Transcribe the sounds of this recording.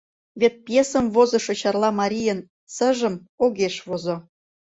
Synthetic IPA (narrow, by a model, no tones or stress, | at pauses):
βʲet̪̚pjesə̆mvozɤ̆ʃŏt͡ɕɑrlˠɑmɑɾʲijən | sə̆ʒə̆m | oɣeʃβozo